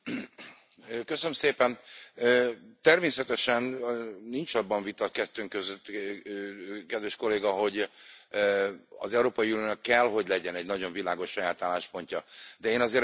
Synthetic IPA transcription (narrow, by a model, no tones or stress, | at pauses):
køsønømseːpɛnøːt̪ɛrmeːsɛt̪ɛʃɛnnint͡ʃɒbːɒɱvit̪ɒkɛt̪ːøːŋkøzøt̪ː | kɛd̪vɛʃko̞leːɡɒɦo̞ɟ | ɒ̰zɛuɾoːpɒiunijoːnɒkːɛlɦo̞ɟlɛɟɛnɛɟnɒɟo̞ɱvilaːɡo̞ʃːɒjaːt̪aːlːaːʃpo̞ɲcɒd̪ɛeːnɒzeːɾ